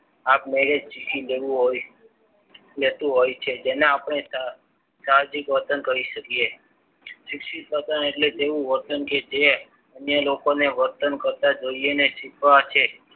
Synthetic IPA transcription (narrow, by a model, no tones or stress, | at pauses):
ap̚meɾed͡ʒd͡ʒikileuɦo | let̪ũɦojt͡ʃʰed͡ʒeneapɳ̃e | saɦd͡ʒikʋəɾt̪ənkəɾiʃəkije | ʃɪkʃit̪ʋət̪əneʈlet̪eʋũʋəɾt̪ənked͡ʒe | ənjəlokoneʋəɾt̪ənkəɾt̪ad͡ʒoijeneʃikʰʋat͡ʃʰe